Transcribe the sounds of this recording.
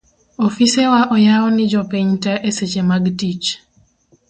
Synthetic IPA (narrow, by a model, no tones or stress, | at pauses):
ofisewaʔɔjaɔnɪd͡ʒɔpeɲtaʔeset͡ʃemaɡtit͡ʃ